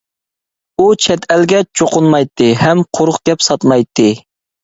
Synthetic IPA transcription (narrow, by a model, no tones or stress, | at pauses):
ut͡ʃʰɛt̪ʰɛlɡʲɛt͡ʃʰoqʰʊnmɑjt̪ʰːɨɦɛmqʰoɾʊχɡ̥ʲɛpsɑt̪mɑjt̪ʰːɨ